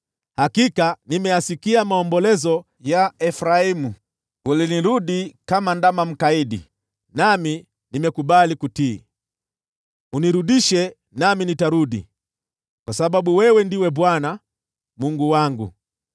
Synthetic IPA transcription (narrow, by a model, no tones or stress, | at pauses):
hakikanimɛjasikiamaɔmbɔlɛzɔ | jaɛfɾaimu | uliniɾuɗikamandamam̩kaiɗḭ | nami | nimɛkuɓalikutiː | uniɾuɗiʃɛ | naminitaɾuɗḭ | kwasaɓaɓuwɛwɛndiwɛɓwana | muŋɡuwaŋɡṵ